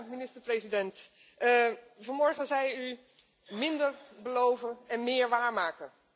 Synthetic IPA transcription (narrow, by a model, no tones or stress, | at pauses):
minɪstəɹprejzidɛnt | vɑnmɔɹχəzɛjy | mɪndəɹbəlowvənɛnmɪːɹʋaːɹmaːkən